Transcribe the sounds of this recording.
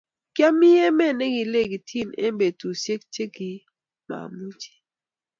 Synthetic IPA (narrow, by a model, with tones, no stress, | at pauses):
kja˦mi˦jɛ˦mɛ˦˨nɛ˦ɡi˨le˦˨ɡi˨tʰi˦˨nɛ̰˦be˨tu˨sje˦k̚te˦ɡi˨ | ma̰˨mu˦t͡ʃi̥˨